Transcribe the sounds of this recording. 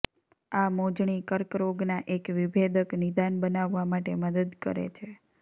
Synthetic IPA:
amod͡ʒɳikəɾkɾoɡnaʔekʋibʱed̪əknid̪anbənaʋːamaʈeməd̪əd̪kə̰ɾḛt͡ʃʰe

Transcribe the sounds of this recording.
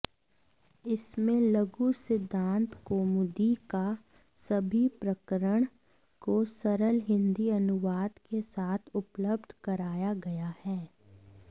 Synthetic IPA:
ɪsmẽlɐɡusɪd̪ʱːãːnt̪koːmʊd̪ika | sɐbʱipɾəkəɾəɽ̃ | kosɐɾəlɦɪ̃nd̪iɐnʊʋaːd̪kesaːt̪ʰʊpləb̚d̪ʱkɐɾaːjaɡɐjahɛː

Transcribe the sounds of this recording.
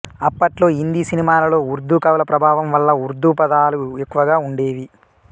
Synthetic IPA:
ɐpːɐʈlo̞ːɦind̪isinimaːlɐlo̞ːuɾd̪ːukɐʋlɐpɾɐbʱaːʋɐmʋɐlːɐuɾd̪upɐd̪aːluekːuʋɐɡaːuɳɖe̞ːʋi

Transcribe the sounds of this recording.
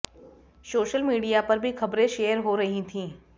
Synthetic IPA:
soːʃəlmiːɖijapɐɾbʱixɐbɾẽʃeːəɾɦoɾɐɦĩt̪ʰĩː

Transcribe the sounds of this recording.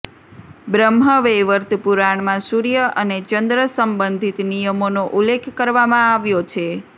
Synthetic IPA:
bɾəmɦəʋeʋəɾt̪puɾaɳ̃mãsuɾijəʔənet͡ʃənd̪ɾəsəmbənd̪ʱit̪nijəmonoʔulːekʰkəɾʋamãaʋjot͡ʃʰe

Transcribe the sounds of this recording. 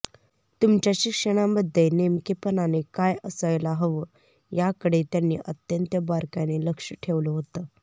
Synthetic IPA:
t̪umt͡ɕjaɕikʂəɽ̃abəd̪ʱːenemkepənanekajəsəjlaɦəʋə | jakəɽet̪janːḭːʔət̪jənt̪jəbaɾkaneləkʂəʈʰeʋləɦot̪əː

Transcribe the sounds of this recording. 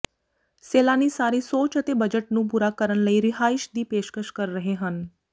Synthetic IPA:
seːlanisaːɾisoːt͡ʃət̪ebəd͡ʒəʈnũːp̬uɾaːkəɾəɳləiɾɪɦaːɪʃd̪iːpeːʃkəʃkəɾːəɦeɦən

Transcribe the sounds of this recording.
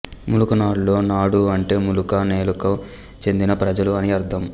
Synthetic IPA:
mulukɐnaːɽlo̞ːnaːɽuɐɳʈe̞ːmulukɐne̞ːlukɐm | t͡ʃe̞nd̪inɐpɾɐd͡ʒɐluɐniɐɾt̪ʰɐm

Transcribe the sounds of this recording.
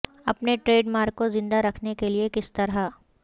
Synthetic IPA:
ɐpneʈɾeːɖmaːɾkːozɪ̃nd̪aɾɐkʰnekeliekɪst̪ɐɾa

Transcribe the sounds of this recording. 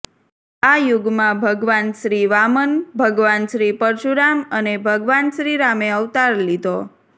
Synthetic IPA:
ajʊɡmãbʱəɡʋanʃɾiʋamənbʱəɡʋanʃɾipəɾd͡ʒuɾamənebʱəɡʋanʃɾiɾameəʋt̪aɾlid̪ʱo

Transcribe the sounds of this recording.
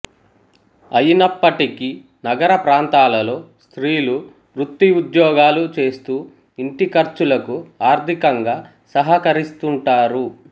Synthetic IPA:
ɐjinɐpːɐʈiki | nɐɡɐɾɐpɾaːnt̪aːlɐlo̞ːst̪ɾiːlu | ɾut̪ːiud̪jɔːɡaːlut͡ʃe̞ːst̪uː | iɳʈikɐɾt͡ʃulɐkuaːɾt̪ʰikɐŋɡaː | sɐɦɐkɐɾist̪uɳʈaːɾu

